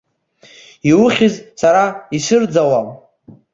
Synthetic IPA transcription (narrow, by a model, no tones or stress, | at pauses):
iwʊχʲɪzsaɾaisɨrd͡zawam